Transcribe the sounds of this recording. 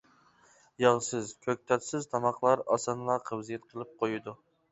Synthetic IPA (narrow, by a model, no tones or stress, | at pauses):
jɑʁsɨzkʲʰøk̚ʲt̪ʰɛlt̪sɪzt̪ʰɑmɑqlˠɑɾɑsɑnlˠɑqʰəbzijɛt̪qʰəlˠɨp̚qʰojud̪u